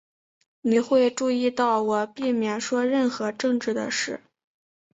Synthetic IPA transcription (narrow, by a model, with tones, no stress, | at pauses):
ni˨˩xwe˥˧ɪʈ͡ʂu˥˧i˥˧t̪ɑ˥˩ʊwɔ˨˩pi˥˩mjɛ˨˩nʂwɔ˥ɻə˥˩nxɤ˧˥ʈ͡ʂɤ˥˧ŋʈ͡ʂɻ̩˥˩d̪ə̰˩ʂɻ̩˥˩